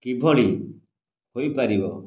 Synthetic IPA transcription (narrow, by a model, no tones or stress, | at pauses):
kibʱɔɭi | hojpaɾibɔ